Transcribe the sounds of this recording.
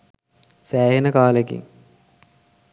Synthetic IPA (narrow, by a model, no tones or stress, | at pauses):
sæːɦenəkaːlekḭŋ